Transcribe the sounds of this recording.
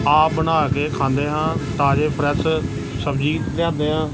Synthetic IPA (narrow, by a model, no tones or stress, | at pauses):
aːbənaːkeːkʰãːnd̪eːɦãːt̪aːd͡ʒeːpʰɾɛs | səbd͡ʒiːt̪ljãːnd̪eːɦãː